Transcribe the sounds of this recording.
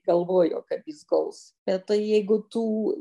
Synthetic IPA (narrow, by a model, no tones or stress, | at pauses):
ɡɐlˠʋoːjoːkɐpjɪsɡɐʊs | b̥ʲɛt̪tɐɪjɛɪɡʊt̪uː